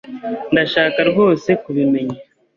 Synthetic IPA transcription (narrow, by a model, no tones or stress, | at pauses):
ndaʃaːkaɾɡo̞ːse̞kuβime̞ɲa